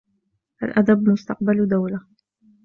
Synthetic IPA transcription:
ʔalʔad̪abmʊst̪ɑq̚bald̪awla

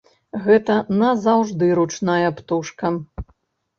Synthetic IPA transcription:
ɣɛt̪ɐnɐzawʐd̪ɨɾut͡ʂnajɐpt̪uʂkɐ

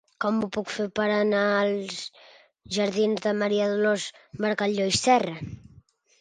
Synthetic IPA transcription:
kɔmbupukfepəɾənalˠz | ʒəɾðinzðəməɾiaðulozbəɾkaʎojsɛrə

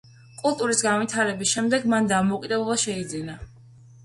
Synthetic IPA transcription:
kʼulˠt̪ʼuɾisɡanvit̪ʰaɾɛbisʃɛmd̪ɛɡmand̪amɔkʼid̪ɛblɛbaʃɛid̪zina

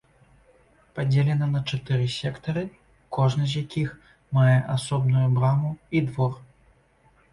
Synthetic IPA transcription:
pad͡zʲelʲɛnɐnɐt͡ʂat̪ɛɾɨsʲɛkt̪ɐɾɨ | kɔʐnɐzʲjakʲix | majɛʔasɔbnujubɾamuid̪vɔr

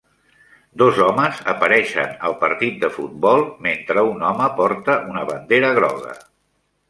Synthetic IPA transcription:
d̪ozɔməzəpəɾɛʃə̰nəlˠpəɾt̪it̪̚d̪əfut̪̚bɔlˠment̪ɾəunɔməpɔɾt̪əʔunəβənd̪eɾəɣ̞ɾɔ̰ɣə̰

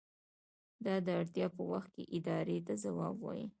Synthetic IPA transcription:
d̪ɑd̪əaɽt̪jɑpəwaxt̪̚kḛʔɪd̪ɑɾet̪azawɑbwɑ̰ji

